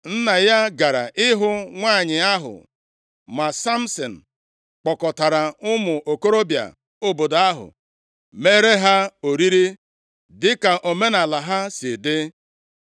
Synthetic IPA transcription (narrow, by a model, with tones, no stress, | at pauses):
n̩˦na˨ja˦ɡa˨ɾa̰˨ʔɪ˦ɦʊ˦ŋʷa˦˨ɲɪ˨a˦ɦʊ̰˨ | ma˨sa˦m̩˦sɔ˨n̩˨ | k͡pɔ˨kɔ˨ta˨ɾa˨ʊ˦mʊ˨ʔo˨ko˦ɾo˦bja̰˨ | o˨bo˨da˦ɦʊ̰˨ | me˦ɾe˦ɦa˦o˨ɾi˦ɾi˦ | dɪ˦ka˨ʔo˨me˦na˨la˨ɦa˦sɪ˨dɪ˦